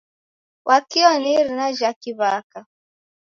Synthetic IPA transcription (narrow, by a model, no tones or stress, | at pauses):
wʔakiɔniɾinaʒakiβaka